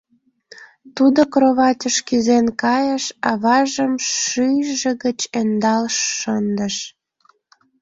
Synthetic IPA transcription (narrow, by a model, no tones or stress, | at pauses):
t̪ud̪okroβɑtʲəʃkyzenkɑjəʃɑβɑʒəmʃyjʒĕɣət͡ɕend̪ɑlʃːənd̪ə̆ʃ